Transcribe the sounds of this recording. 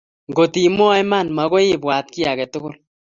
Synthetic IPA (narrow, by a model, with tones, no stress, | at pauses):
ŋɡo˨ti˨mɔ˦jma˦˨nma˨ɣɔ˦ɪ˦bwaː˨t̚ki˦a˨kɛ˨tʊ˦ɡʊ˦l